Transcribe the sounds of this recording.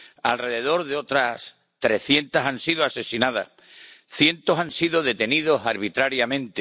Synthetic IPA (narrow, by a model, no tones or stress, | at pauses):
alre̞ðe̞ð̞o̞ɾðeo̞t̪ɾas | t̪ɾe̞θje̞nt̪asansiðoase̞sinað̞a̰ | θje̞nt̪o̞sansiðoðe̞t̪e̞niðo̞saɾβit̪ɾaɾjamẽnt̪e